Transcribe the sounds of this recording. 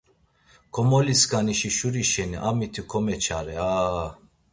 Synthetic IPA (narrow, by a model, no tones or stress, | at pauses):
kʰɔmɔliskʰaniʃiʃuɾiʃɛniʔamit̪ʰikʰɔmɛt͡ʃʰaɾɛa